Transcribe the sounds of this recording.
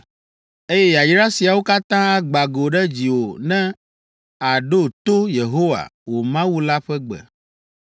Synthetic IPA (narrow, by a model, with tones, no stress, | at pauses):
e˦jɛ˦ja˨jɾa˦si˨a˨wo˦ka˦t̪ã˦a˦ɡ͡ba˨ɡo˨ɖɛ˦d͡ʑi˨wo˨nɛ̃˦ | a˨ɖo˦t̪o˦je˨ɦo˦wa̰˨wo˨mã˦wu˦la˦ɸɛ˦ɡ͡bɛ̰˨